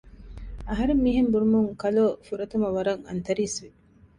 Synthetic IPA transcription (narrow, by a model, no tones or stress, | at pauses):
ɐɦɐɾemːiːɦembuɾumuŋkɐloːfuɾɐt̪umɐʋɐɾɐŋɐ̰nt̪ɐɾiːsʋi